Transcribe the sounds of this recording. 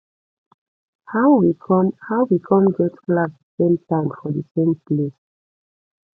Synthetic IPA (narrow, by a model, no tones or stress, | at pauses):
hawwikʰɔmhaʊwikʰɔ̃mɡɛtklasəsẽmtãɪ̃mfɔðəsẽmples